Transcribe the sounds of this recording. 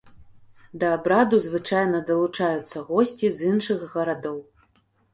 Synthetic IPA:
d̪ɐːbɾad̪uzvɨt͡ʂajnɐd̪ɐlˠut͡ʂajut̪sːɐɣɔsʲt͡sʲizɨnʂɨɣːɐɾad̪ɔw

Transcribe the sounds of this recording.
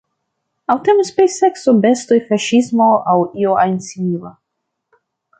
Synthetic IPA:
awtemispejseksobestojfaʃismoawioajnsiila

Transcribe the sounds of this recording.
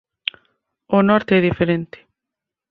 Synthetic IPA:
ʊnɔɾt̪eɛðifeɾent̪ɪ̥

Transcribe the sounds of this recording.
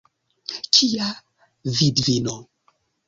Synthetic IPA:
t͡ʃia | vidvino

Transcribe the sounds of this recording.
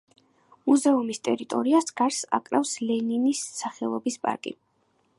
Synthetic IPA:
muzɛumist̪ʼɛɾit̪ʼɔ̰ɾiasɡ̥aɾsa̰kʼɾafslɛninisːaχɛlˠɔbispʼa̰ɾkʼḭ

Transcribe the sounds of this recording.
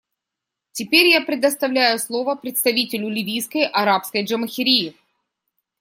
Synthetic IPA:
tʲɪpʲeɾʲjapɾʲɪd̪əst̪ɐvlʲæjʊslˠo̞vəpɾʲɪt̪st̪ɐvʲitʲɪlʲʊlʲɪvʲijskəjʔɐɾapskəjʐəməxʲɪɾʲijɪ

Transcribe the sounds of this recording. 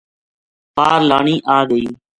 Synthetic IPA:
paːɾlaːɳiːʔaːɡəiː

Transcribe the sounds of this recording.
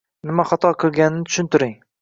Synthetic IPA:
nɪmaχɑt̪ʰɒqʰɨlˠɡʲanɪnɪt̪ʰʊ̥ʃɪnt̪ɪɾɪŋ

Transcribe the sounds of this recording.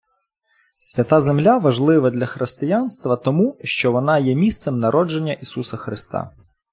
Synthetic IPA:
sʲʋʲɐt̪ɑzemlʲaʋɐʒlˠɪʋɐd̪lʲɐxɾɪst̪ɪjanst̪ʋɐt̪ɔmuʃt͡ʃɔʋɔnɑjɛmʲist̪semnɐɾʔɔd͡ʒe̞nʲːɐʔisusɐxɾɪst̪ɑ̰

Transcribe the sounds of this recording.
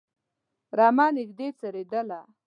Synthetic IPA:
ɾɑmɑnɪkd̪et͡saɾed̪əla

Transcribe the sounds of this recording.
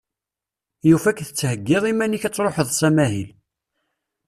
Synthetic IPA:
jufækθət͡sːhəɡːɪðˤimæniçæt͡sːɾˤoħəðˤsæmæhil

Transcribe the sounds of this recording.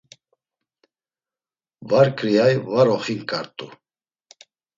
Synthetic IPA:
vaɾkʰʼɾiajvaɾɔχinkʼaɾt̪ʼu

